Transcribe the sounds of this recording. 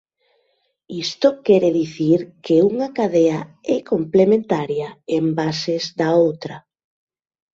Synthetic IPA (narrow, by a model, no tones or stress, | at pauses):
ist̪okɛɾeðiθiɾkeuŋakaðeaɛkomplemẽnt̪aɾjaembasezðaowt̪ɾɐ